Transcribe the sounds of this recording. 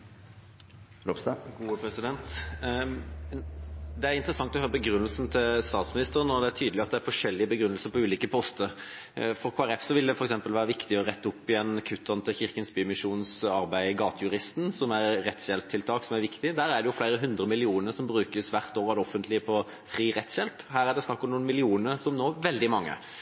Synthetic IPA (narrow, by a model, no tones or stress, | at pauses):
lɔpsɑɡpʰɾɛsɪd̪ɛnt̪ | d̪ɛæɾɪnt̪əɾəsɑŋt̪ɔhøːɾəbəɡɾʉnːəlsn̩t̪ʰɪlst̪ɑːt̪smɪnɪst̪əʁənɔd̪ɛæɾt̪ʰyːd̪lɪɑt̪̚d̪ɛæɾfɔʂɛlːɪəbəɡɾʉnːəlsəɾpɔʉːliːkəpʰɔst̪əɾ | fɔɾkʰoːæɾɛfsɔʋɪld̪ɛfɔɾɛksɛmpəlʋæːɾəʋɪkt̪ɪɔʁɛt̪ːʊpːɪɛnkʰʉt̪ʰːɑnt̪ʰɪçɪɾkənsbyːmɪʂuːnsɑɾbæɪɡɑːt̪əjʉɾɪst̪n̩sɔmæɾːɛt̪sjɛlp̚t̪ʰɪlt̪ʰɑːksɔmæɾʋɪkt̪ɪd̪æːɾæɖ̪ɛjʊflæɪɾəɦʉnd̪ɾəmɪlɪuːnəɾsɔmbɾʉːkəsʋæʁt̪oːɾɑd̪ɔfːənt̪lɪəpʰɔ | fɾiːʁɛt̪sjɛlphæːɾæɖ̪ɛsnɑkːɔmnuːnmɪlɪuːnəɾsɔmnoːʋɛld̪ɪmɑŋːə̰